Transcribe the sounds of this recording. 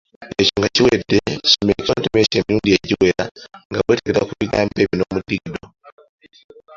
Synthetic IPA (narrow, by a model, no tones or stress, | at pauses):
eco̞ŋɡaciwedːei̥somecontemecemiɾuːndijeɟiwe̞ɾaŋɡaβweːte̞keɾakuβiɡaːmpeːmino̞ːmudiɡido